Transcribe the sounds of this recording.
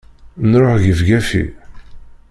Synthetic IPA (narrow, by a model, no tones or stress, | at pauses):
nɾˤoħʝəvɡæfḭ